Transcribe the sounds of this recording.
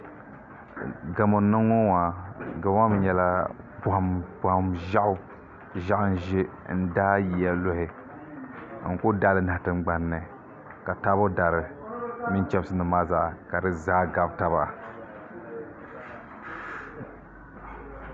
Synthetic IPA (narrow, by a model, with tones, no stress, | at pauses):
ɡa˨mo˨˦nɨ˦ŋːɔ˦wa˨ɡa˨wa˦bɨ˨ɲɛ˦la˦ | ba˨hmba˨hmʒa˦ʔʊ˦ | ʒa˦ʔʊ˦n̩˦ʒe˦ | n̩˦daː˦ji˨˦ja˨lo˦hɪ˨ | ŋ̩˨kʊ˦da˦lɨ˨na˨htɨ˨ŋ͡mɡ͡ba˨nːɨ˨ | ka˨ta˦bo˦da˨ɾɨ˨˦mi˦n˦t͡ʃɛ˦bsɨ˦nɨ˨maː˦za˦ʔka˨dɨ˨zaː˦ɡa˨bta˦ba˨a˨